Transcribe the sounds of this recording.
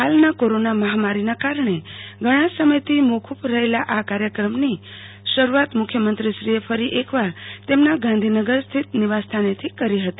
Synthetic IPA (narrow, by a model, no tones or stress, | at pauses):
ɦalnakoɾonaməɦamaɾinakaɾɳeɡʱəɽ̃ãsəməjt̪ʰimokʰupɾəɦelaʔakaɾjəkɾəmni | ʃəɾuat̪mʊkʰjəmənt̪ɾiʃɾiefʰəɾiʔekʋat̪emnaɡãnd̪ʱinəɡəɾst̪ʰit̪niʋast̪ʰanet̪ʰikəɾiɦət̪i